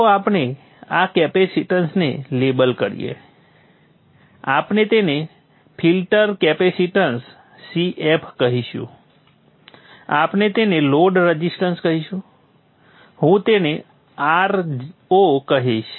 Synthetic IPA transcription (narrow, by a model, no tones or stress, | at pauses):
t̪oapne | akɛpesiʈənsnḛlebəlkəɾḭjḛ | apnet̪ene | pʰilʈəɾkɛpesiʈənsː | iʔepʰkəɦiʃṵ̃ | apnet̪eneloɖɾəd͡ʒisʈənskəɦiʃũ | ɦũt̪ene | aɾokəɦiʃ